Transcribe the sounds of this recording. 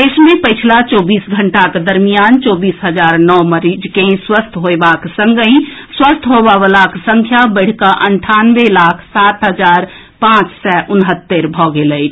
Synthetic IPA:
d̪esmẽpəɪt͡ʃʰlat͡ʃɔːbiːsɡʱəɳʈaked̪əɾmijant͡ʃɔːbiːsɦəd͡ʒaːɾnɔməɾid͡ʒkẽswəst̪ʰɦoebaksə̃ŋɡəĩswəst̪ʰɦobaʋəlaksə̃ŋkʰjabəɽ̤kaʔəɳʈʰanʋelaːkʰsaːt̪ɦəd͡ʒaːɾ | pãt͡ʃsɛʔʊnɦət̪ːeɾbʱɔɡelət͡ʃ̪ʰ

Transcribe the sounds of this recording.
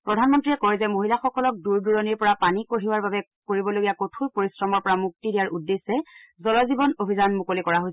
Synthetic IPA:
pɹɔdʱanmɔntɹiɛkɔjzɛmoɦilaxɔkɔlɔk̚duɹduɹɔniɹpɔɹapanikoɦiwaɹbabɛ | koɹibɔloɡijakotʰujpoɹisɹɔmɔɹpɔɹamuk̚tidijaɹudːesɛzɔlɔzibɔnobʱizanmukolikɔɹaɦojs

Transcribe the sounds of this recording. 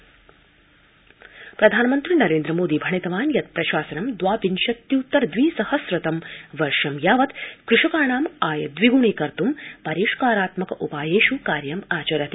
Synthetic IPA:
pɾɐd̪ʱaːnɐmɐnt̪ɾinɐɾeːnd̪ɾɐmoːd̪iːbʱɐɳit̪ɐʋaːnjɐt̪̚pɾɐʃaːsɐnɐmd̪ʋaːpinʃɐt̪jiut̪ːɐɾd̪ʋiːsɐhɐsɾɐt̪ɐmʋɐɾʂɐmjaːʋɐt̪kɾɪʂɐkaːɳaːmaːjɐd̪ʋiɡuɳiːkɐɾt̪umpɐɾiːʂkaːɾaːt̪mɐkɐʔupaːjeːʃukaːɾjɐmaːt͡ʃɐɾɐt̪i

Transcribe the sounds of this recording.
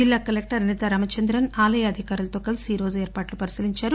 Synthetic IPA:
d͡ʒilːaːkɐlek̚ʈɐɾɐnit̪ɐɾɐmɐt͡ʃɐnd̪ɾɐnaːlɐjɐːd̪ʱikaːɾulɐt̪oːkɐlsiːɾo̞ːd͡ʒueːɾpaːʈlupɐɾisiliɲt͡ʃaːɾu

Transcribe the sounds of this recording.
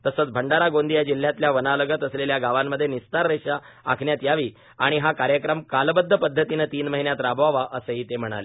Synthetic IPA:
t̪əsət͡sbʱəɳɖaɾaɡond̪ijad͡ʑil̤jat̪ljaʋənaləɡət̪əsleljaɡaʋamːəd̪ʱːjenist̪aɾːeɕa | a̰kʰɳjat̪jaʋiː | aɽ̃iɦakaɾjəkɾəmkalbəd̪ʱːəpəd̪ʱːət̪inət̪iːnməɦinjat̪ɾabʋaʋaʔəsəɦiːt̪em̤əɽ̃a̰le

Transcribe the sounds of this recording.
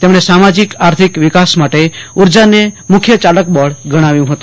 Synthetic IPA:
t̪emɳesamad͡ʒikaɾt̪ʰikʋikasmaʈeuɾd͡ʒanemukʰjət͡ʃalək̚bəɽɡəɽ̃aʋjũɦət̪u

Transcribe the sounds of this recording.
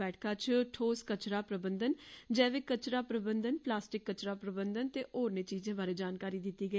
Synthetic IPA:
ɛːʈʰkʰãːt͡ʃʈʰoːskət͡ʃɾaːpɾəbənd̪ənd͡ʒɛːʋeːkːət͡ʃɾaːpɾəbənd̪ənplaːsʈɪkːət͡ʃɾaːpɾəbənd̪ənt̪eːʔoːɾnẽːt͡ʃiːzẽːbaːɾeːd͡ʒaːnkaːɾiːd̪ɪt̪ːiːɡəi

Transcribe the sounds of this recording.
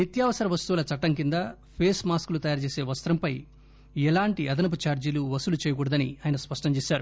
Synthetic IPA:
nɐt̪jaːʋɐsɐɾɐʋɐst̪uʋulɐt͡ʃɐʈːɐŋkind̪ɐ | pʰeːsmaːskulut̪ɐjaːɾt͡ʃeːse̞ːʋɐst̪ɾɐmpɐj | ɛlaːɳʈiʔɐd̪ɐnɐp̬ut͡ʃaːɾd͡ʒiluʋɐsulut͡ʃɛːjɐɡuɽɐd̪ɐnḭaːjɐnɐspɐʂʈɐmt͡ʃeːsaːɾu

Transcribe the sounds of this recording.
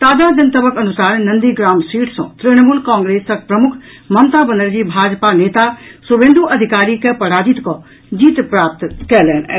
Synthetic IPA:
t̪aːd͡ʒad͡ʒɐnt̪əbəkɐnusaːɾnɐ̃nd̪iɡɾaːmsiːʈʰsɔ̰̃t̪ɾiɽ̃əmuːlkɔ̃ːŋɡɾeːsɐk̚pɾɐmʊkʰ | mɐmt̪abə̃nd̪əɾd͡ʒibʱaːd͡ʒpaneːt̪asubẽnd̪ʱuʔɐd̪ʱikaːɾikepɐɽaːd͡ʒit̪kɔ | d͡ʒiːt̪pɾaːp̚t̪kɛlɛnɛ̰

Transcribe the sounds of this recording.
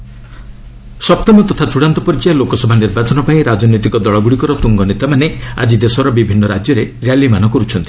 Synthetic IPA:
sɔp̚t̪ɔmɔt̪ɔt̪ʰat͡ʃuɽant̪ɔpɔɾid͡ʒialokɔsɔbʱaniɾbat͡ʃɔnɔpaĩɾad͡ʒɔnojt̪ikɔd̪ɔɭɔɡuɽikɔɾɔt̪uŋɡɔnit̪amanea̰d͡ʒid̪esɔɾɔbibʱinːɔɾad͡ʒjɔɾeɾjalːimanɔkɔɾut͡ʃʰɔnt̪i̥

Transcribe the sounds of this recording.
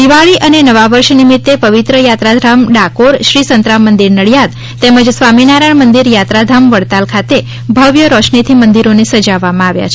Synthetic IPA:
d̪iʋaɭiʔənenəʋaʋəɾʃnimit̪ːepəʋit̪ɾəjat̪ɾad̪ʱɾamɖakoɾʃɾisənt̪ɾamːənd̪iɾnəɭjad̪ | t̪eməd͡ʒsʋaminaɾəɳmənd̪iɾjat̪ɾad̪ʱamʋəɽt̪alkʰat̪e | bʱəʋjəɾɔʃɳet̪ʰimənd̪iɾonesəd͡ʒaʋːamãaʋja̰t͡ʃʰ

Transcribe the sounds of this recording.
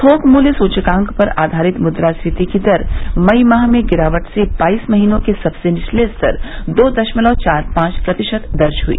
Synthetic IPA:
t̪ʰoːkmuːlsuːt͡ʃkãːŋkpɐɾaːd̪ʱaːɾɪt̪mʊd̪ɾast̪ʰɪt̪ikid̪ɐɾmɐimaːɦmẽɡɪɾaːʋəʈsebaːiːsmɐɦiːnõkesɐbsenɪʃleːst̪ɐ̰ɾd̪oːd̪ɐʃməlɔːt͡ʃaːɾpãːt͡ʃpɾɐt̪ɪʃət̪d̪ɐɾt͡ʃɦuḭː

